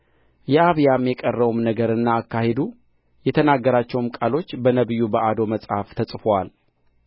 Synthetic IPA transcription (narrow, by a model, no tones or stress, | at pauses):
jɛaβjamjɛkʼərːəwumnəɡəɾɨnːaːkːahed̪u | jɛt̪ʰənaɡːəɾat͡ʃːɛwmkʼalo̞t͡ʃːbənəβɨjːubəʔad̪o̞məsʼhaft̪ʰəsʼfowal